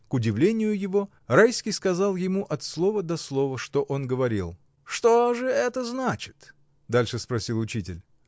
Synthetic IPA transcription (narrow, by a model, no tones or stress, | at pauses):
kʊdʲɪvlʲenʲɪjʊjɪvo̞ | rajskʲɪjskɐzɑlˠjɪmuʔɐt̪slˠo̞vəd̪ɐslˠo̞vəʂt̪oʔo̞nɡəvɐɾʲilˠ | ʂt̪oʐɨɛt̪əznat͡ɕɪ̥t̪ | d̪alʲʂɨspɾɐsʲilˠʊt͡ɕitʲɪlʲ